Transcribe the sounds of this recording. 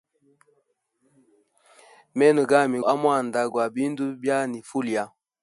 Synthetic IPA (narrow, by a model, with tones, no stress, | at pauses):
mɛ˦nə˨ɡa˦˨mi˨a˦mwa˦˨n̩˨da˦ɡwa˨bi˦n˦du˦bja˦ni˨fu˦li˨a˦